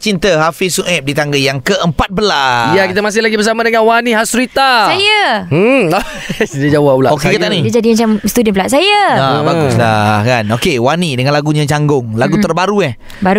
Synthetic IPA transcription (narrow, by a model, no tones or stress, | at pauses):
t͡ʃint̪əɦafisuʔɛp̚dit̪aŋɡəjaŋkəʔəmpat̪̚bəlajakit̪amas̬ɪhlaɡibəsamãdəŋanwanĩɦasuɾit̪asaja | sidəd͡ʒawaʔulaokekiat̪anidad͡ʒadimat͡ʃamst̪udənpəlaʔsajaabaɡʊslahkanokewanidəŋanlaɡuɲãt͡ʃaŋɡʊŋlaɡut̪ərbaɾuɛh | baɾu